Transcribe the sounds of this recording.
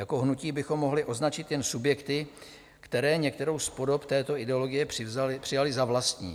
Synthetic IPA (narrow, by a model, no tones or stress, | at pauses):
jako̞ɦnuciːbɪxo̞mːo̞ɦlɪʔo̞znat͡ʃɪt̪jɛnsubjɛkt̪ɪ | kt̪ɛɾɛːɲɛkt̪ɛɾo̞wspo̞do̞pt̪ɛːt̪o̞ɪdɛolo̞ɡɪjɛprɪzapr̝̥ɪjalɪzavlast̪ɲḭː